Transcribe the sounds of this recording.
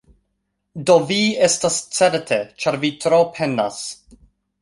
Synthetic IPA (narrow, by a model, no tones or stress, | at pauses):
doviestast͡seɾtʰet͡ʃaɾvitɾopʰena̰s